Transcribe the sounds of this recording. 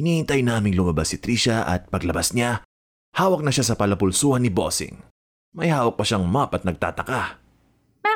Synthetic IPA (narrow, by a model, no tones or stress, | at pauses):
ʔɪniːhɪnt̪ajnaːmɪŋlʊmɐbasɪt̪ɾiʃɐʔɐ̰t̪̚pɐɡlɐbasɲa | haːwɐk̚nɐʃasɐpɐlɐpʊlsuːhɐnːɪbo̰sɪ̰ŋ | mɐjhaːwɐk̚pɐʃaŋmapɐt̪nɐɡ̚t̪a̰ːt̪ɐka